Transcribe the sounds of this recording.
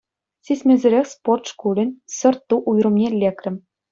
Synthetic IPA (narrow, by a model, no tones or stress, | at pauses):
sʲisʲmʲĕzʲɘ̆ɾʲexʲsport̪ʂkulʲɘ̆nʲsɤ̆rt̪ːuʔujrɤ̆mnʲelʲːekrʲɘ̆m